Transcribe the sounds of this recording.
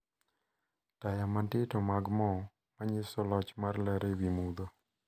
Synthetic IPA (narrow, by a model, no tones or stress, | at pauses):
tajamantɪtɔmaɡmɔ | maɲɪsɔlɔt͡ʃmarlɛɾewimud̪o